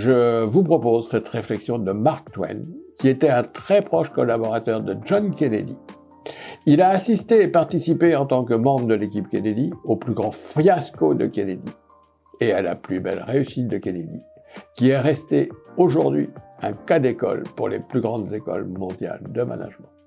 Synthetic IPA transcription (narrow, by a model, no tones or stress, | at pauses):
ʒəvupχɔpozsɛt̪ʁeflɛksjɔ̃d̪əmaʁk̚t̪wɛ̰nkʲiet̪ɛɛ̃t̪χɛpχɔʃkɔlabɔʁat̪œʁd̪əʒɔnkʲened̪i | ilaːsist̪eːpaʁt̪isipeɑ̃t̪ɑ̃kəmɑ̃bʁəd̪əlekʲip̚kʲened̪ioplyɡʁɑ̃fχjaskod̪ə̰kʲened̪ḭ | eala̰plybɛ̰lʁeysit̪̚d̪əkʲened̪i | kʲiɛʁɛst̪eoʒuʁd̪ɥḭɛ̰̃kad̪ekɔ̰lpuʁlḛplyɡʁɑ̃d̪zekɔ̰lmɔ̃d̪ja̰ld̪əma̰na̰ʒmɑ̃